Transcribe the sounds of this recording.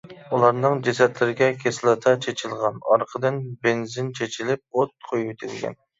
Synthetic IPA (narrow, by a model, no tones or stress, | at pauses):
ulˠɑɾnɨŋd͡ʒɛsɛt̪lɪɾɪɡʲɛkʲʰeslˠɨt̪ʰɑt͡ʃʰet͡ʃʰɪlˠʁɑnɑɾqʰəd̪ɨnbɪnzɪnt͡ʃʰet͡ʃʰilɪp̚ot̪̚qʰojwet̪ʰɪlɪɡʲɛ̰n